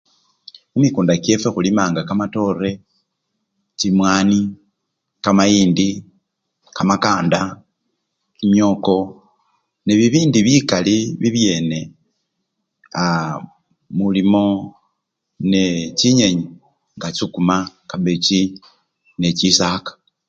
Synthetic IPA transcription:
umikuːndake̞fexulimaːŋɡakamato̞ɾe̞ | t͡ʃimwaːni | kamajiːndi | kamakaːnda | imjo̞ːko̞ | neβiβiːndiβikaliβiβje̞ːne̞ | a | mulimo̞ | net͡ʃiɲeɲi | ŋɡat͡ʃukumakaβet͡ʃi | ne̞t͡ʃisakḁ

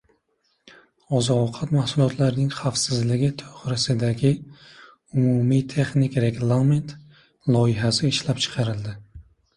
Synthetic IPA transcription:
ɒzɒqʰɑt̪mahsulˠɒt̪ʰlaɾnɪŋχafsɪzlɪɡʲɪt̪ʰɵ̥χɾɪsɪd̪aɡʲɪ | umumit̪ʰeχnɪkʲɾeɡlˠament̪ | lˠɒɪɦasɪːʃlap̚t͡ʃʰɨ̥qʰɑɾɪld̪ɪ

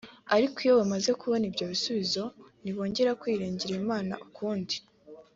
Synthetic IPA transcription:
aɾikijowamaze̞kuβo̞nibɟoβisuβizo̞niβo̞ːɲɟe̞ɾakwiːɾiːɲɟiɾeimaːna̰ʔukʰuːndi

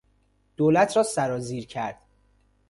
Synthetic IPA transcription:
d̪̥oːlæt̪ʰɾɒːsæɾɒːziːɾcʰæɾd̪̥

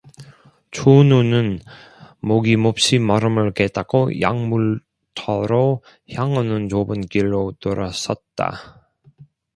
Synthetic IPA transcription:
t͡ɕʰununɯn | moɡimop̚ɕ͈imʌɾɯmɯɭket͈ak͈ʰoja̰ŋmuɭ | tʰʌɾo | çjaŋɯnɯnt͡ɕobɯnkiɭːotoɾas͈ʌ̰t̚t͈a̰

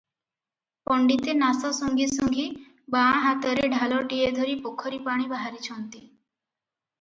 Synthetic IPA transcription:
pɔɳɖit̪enasɔsuŋɡʱisuŋɡʱiː | baãɦat̪əɾeɖʱalɔʈijed̪ʱɔɾiːpokʰɔɾipaɽ̃ibaɦaɾit͡ɕʰɔ̃nt̪i

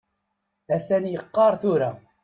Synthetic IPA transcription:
æθænjəqːɑɾˤθʊɾa

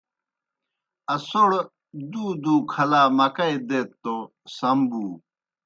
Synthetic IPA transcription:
ɐsoɽ | d̪uːd̪uːkʰɐlaːmɐkɐid̪eːt̪ːo | sɐmbuː

